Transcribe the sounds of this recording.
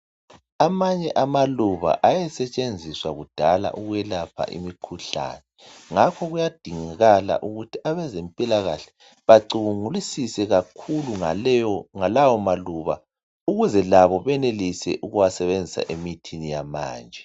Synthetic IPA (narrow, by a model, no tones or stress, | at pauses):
amaɲɛʔamaluβa̰ʔajɛsɛt͡ʃʼend͡zʱiswaɣud̥ʱala̰ʔuɣujɛlapʰa̰ʔḭmikʰuɬa̰nɛ | ŋakʰɔɣujad̥ʱiŋaɣala̰ʔuɣutʰiaβɛzempʼilaɣaɬɛ̥ | βaǀuβuŋulisisɛɣakʰuluaŋalawɔmaluβa̰ | uɣuzɛlaβɔβɛnelisɛ̰ʔuɣuwasɛβend͡zʱisa̰ʔemitʰinijama̰ːnd͡ʒʱɛ